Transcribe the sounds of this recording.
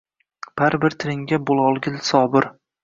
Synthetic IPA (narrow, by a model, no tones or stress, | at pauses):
b̥aɾbɪɾt̪ʰɪɾɪŋɡʲabolˠɒlˠɡʲɪlsɒːbɪɾ